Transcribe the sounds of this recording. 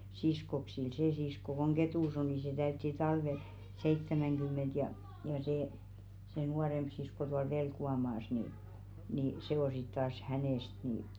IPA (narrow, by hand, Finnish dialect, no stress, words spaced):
siskoksil seː sisko koŋ ɡ̊etuˑs o ni se tæytːi tɑlʋel seitːæmæŋɡ̊ymˑent jɑ jɑ seː se nuɑremb̥ sisko tuɑl ʋelkuɑmɑːs ni niˑ se o sit tɑːs hæneˑst ni